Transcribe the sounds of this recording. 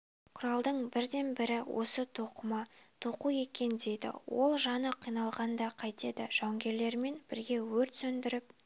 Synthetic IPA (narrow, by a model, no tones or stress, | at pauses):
qʰʊɾɑlˠd̪əɴbɪɾd̪e̞nbɪɾɪwʔo̞̰sət̪ʰoqəmɑt̪ʰoquje̞kʲe̞nd̪e̞jd̪ɪ̰wo̞̰lˠʒɑnəqʰijnɑlˠʁɑnd̪ɑqʰɑjt̪e̞d̪ɪʒ̥ɑwŋɡʲe̞ɾle̞ɾme̞nb̥ɪɾɡʲe̞wɵɾt̪sɵnd̪ɪɾɪp̚